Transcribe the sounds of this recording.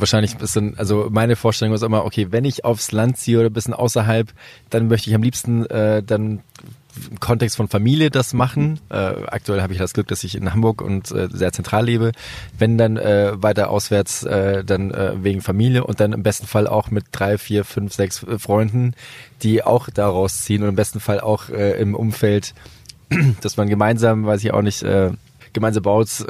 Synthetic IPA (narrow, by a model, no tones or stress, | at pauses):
vaɐʃaɪnlɪçɪsanʔalzomaɪnəfoːɐʃtɛlʊŋɪstʔɪmɐʔo̰kʰeːvɛnɪça̰ʊfslant̚t͡siːəʔoːɾɐbɪsçənʔa̰ʊsɐɦalpd̥anmœçtəɪçamliːpstn̩ʔɛːdan | ɪmkʰɔntɛkstfɔnfamiːljədasmaχn̩ʔɛ̰ːʔa̰k̚tuɛlhaːbəɪçjaːdasɡ̥lʏk̚d̥asɪçɪ̰nhambʊɐkʊ̰ntʔɛ̰ːzeːɐt͡sɛntʁ̥aːlːeːbəvɛndanʔɛːvaɪtɐʔa̰ʊsv̥ɛɐt͡sʔɛːdanʔɛ̰ːveːɡŋ̩famiːljəʔʊ̰nt̚d̥anɪmbɛstn̩falʔa̰ʊxmɪt̚d̥ʁaɪfiːɐfʏnfz̥ɛksfʁ̥ɔʏndn̩d̥iːʔa̰ʊxd̥aːʁaʊst͡siːənʊntɪmbɛstn̩fala̰ʊxʔɛːʔɪ̰mʔʊ̰mfɛlt | d̥asmanɡəmaɪnzaːmvaɪs̬ɪça̰ʊxnɪçtʔɛ̰ː | ɡ̥əmaɪnzaːmbaʊs